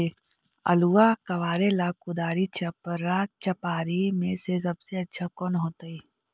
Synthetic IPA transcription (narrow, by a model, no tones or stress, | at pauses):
e | ɐ̰luakɐʋaːɾelaːkʊd̪aːɾit͡ʃɐpəɾaːt͡ʃɐpaːɾimẽsesɐbseɐtːʃʰakɔːnɦoːt̪ai